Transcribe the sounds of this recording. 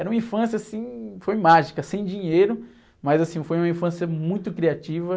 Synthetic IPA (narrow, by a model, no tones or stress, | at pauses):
ɛɾɐũmɐĩfɐ̃sjɐasĩfojmaʒikɐsẽj̃d͡ʒĩɲejɾʊ | mɐzasĩfojũmɐĩfɐ̃sjɐmũj̃t̪ʊkɾiat͡ʃivɐ